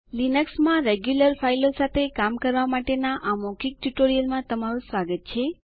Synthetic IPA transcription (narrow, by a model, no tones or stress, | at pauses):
linəksmãɾeɡjuləɾfʰailosat̪ʰekamkəɾʋamaʈenaʔamɔkik̚ʈjuʈoɾijəlmãt̪əmaɾũsʋaɡət̪̚t͡ʃʰe